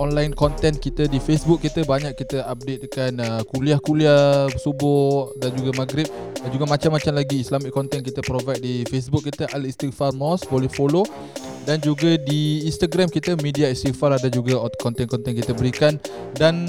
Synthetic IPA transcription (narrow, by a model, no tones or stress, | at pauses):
ɔnlajnkɔnt̪ɛnkit̪ədifesbuk̚ːit̪əbaɲakkːit̪əap̚det̪̚kanəkuliahkuliasubʊʔdand͡ʒuɡamaɡɾɪp̚d͡ʒuɡamat͡ʃamːat͡ʃamlaɡiːslamɪkːɔnt̪ɛnkit̪əpɾovajt̪̚difes̬buk̚ːit̪əʔalist̪ifarmɔsbolɛhfolo | dand͡ʒuɡadiːnst̪aɡɾamkit̪əmidiaist̪ifaɾadad͡ʒuɡakɔnt̪ɛnkɔnt̪ɛnkit̪əbəɾikan | dan